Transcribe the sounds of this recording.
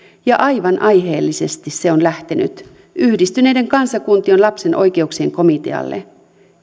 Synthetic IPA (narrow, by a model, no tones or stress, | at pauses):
jɑʔɑjʋɑnʔɑjɦeːlːise̞st̪isse̞o̞nlæht̪eny̰t̪ | yhdist̪yne̞jde̞ŋkɑnsɑkunt̪io̞nlɑpse̞nʔo̞̰jk̟e̞uksieŋko̞mit̪e̞̰ɑ̰lːḛ